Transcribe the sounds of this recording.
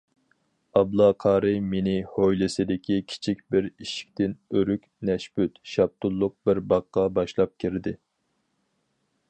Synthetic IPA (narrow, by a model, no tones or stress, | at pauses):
ɑblˠɑqʰɑːɾɨmenɪhojlɪsɪd̪ɪkʲʰikʲʰi̥t͡ʃʰikʲbɪɾiʃi̥k̚ʲt̪ʰɪnøɾykʲnɛʃbyt̪ʃɑb̚t̪ʊlˠːʊq̚bɪɾbɑqːɑbɑʃlˠɑp̚kʲʰiɾd̪ɪ